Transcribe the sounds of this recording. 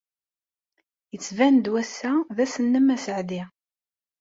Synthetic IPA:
jət͡sːvænd̪wæsːæðæsənːəmæsəʕði

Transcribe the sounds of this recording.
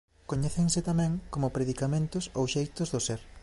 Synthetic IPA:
koɲɛθeŋsɪt̪amɛ̃ŋkomʊpɾeðikamẽnt̪ʊsowʃejt̪ʊzðʊseɾ

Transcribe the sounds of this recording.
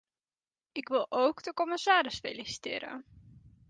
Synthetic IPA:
ʔɪkʋɪlˠʔowkdəkoməsaːɾɪsfḛlisi̥tɪ̰ːɾə̰

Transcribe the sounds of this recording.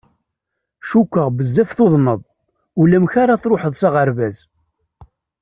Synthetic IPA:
ʃukʷːəʁbəzːæfθoðˤnəðˤ | ulæmçaɾaθɾoħəðˤsaʁəɾvæz

